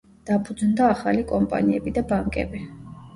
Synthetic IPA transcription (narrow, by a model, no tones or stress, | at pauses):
d̪̥apʰud̪znd̪aːχalikʼɔmpʼa̰niɛbid̪abaŋkʼɛ̰bi